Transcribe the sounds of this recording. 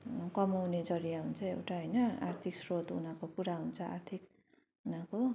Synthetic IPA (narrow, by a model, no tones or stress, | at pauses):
kʌmawned͡zʌɾijaɦunt͡sʰʌḛwʈaɦʌjnʌa̰rt̪ʰiksrot̪ṵnakokuɾaɦunt͡sʰʌa̰rt̪ʰik | unako